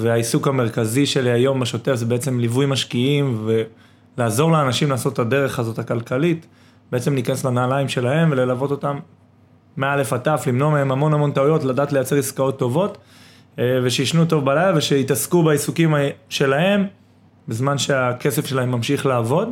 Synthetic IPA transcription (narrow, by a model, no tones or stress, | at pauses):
veaisukameʁkaziʃe̞liajo̞mbaʃo̞te̞fzebeet͡se̞mlivujmaʃkiimve | laːzo̞ʁleːnaʃimlaːso̞tade̞ʁe̞χazo̞takalkalit | beet͡se̞mlikaneslanaːlaimʃe̞lahe̞mve̞lelavo̞to̞tamː | eaale̞fataflimnoameemamo̞namo̞ntaujo̞tladaːtlejat͡se̞ʁiskao̞t̪ːo̞vo̞t | ve̞ʃejiʃnuto̞vbalajlaveʃe̞itaskubaisukimaʃe̞lahe̞m | bezmanʃe̞akesefʃe̞lahe̞mːamʃiχlaːvo̞d